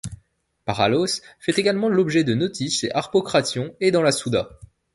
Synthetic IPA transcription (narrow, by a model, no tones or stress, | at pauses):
paʁalosfɛt̪eɡalmɑ̃lɔbʒɛd̪ənɔt̪ʰisḛʔaʁpɔkχasjɔ̃ed̪ɑ̃lasud̪a